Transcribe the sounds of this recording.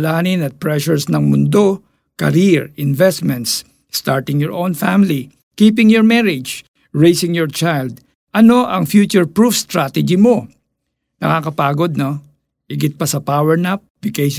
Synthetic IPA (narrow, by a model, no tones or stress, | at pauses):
laːnɪnɐt̪̚pɹɛʃʊɹsnɐŋmʊnd̪o̞ | kɐɾiɹɪnvɛst̪mɛ̃nt̪sː | t̪aɹt̪ɪŋjɔɹʔõwnfamɪli | kiːpɪŋjɔɹmɛɹɪd͡ʒ | ɹejsɪ̃ŋjɔɹt͡ʃajld̪̚ | ʔɐno̞ʔɐŋfjut͡ʃʊɹpɹufst̪ɾat̪ɛd͡ʒimo | nɐ̰kaːkɐpaːɡod̪̚no | hɪɡɪt̪̚pɐsɐpawɛɹnap̚vɪkej